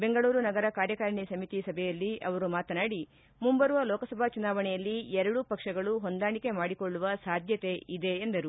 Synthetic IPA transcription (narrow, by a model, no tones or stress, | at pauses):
be̞ŋɡɐɭuːɾunɐɡɐɾɐkaːɾjɐkaːɾɳisɐmit̪isɐbʱɛjɐlːiʔɐ̰ʋɐɾumaːt̪ɐnaːɽi | mumbɐɾuʋɐlɔːkɐsɐbʱaːt͡ʃunaːʋɐɳɛjɐlːiɛɾɐɽupɐkʂɐɡɐɭuɦond̪aːɳike̞maːɽikoɭːuʋɐsaːd̪ʱjɐt̪e̞id̪e̞ːnd̪ɐɾu